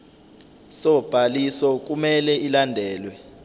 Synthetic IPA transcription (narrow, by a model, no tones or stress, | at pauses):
sɔb̥ʱalisɔk̬umɛlɛilandʱɛːlwɛ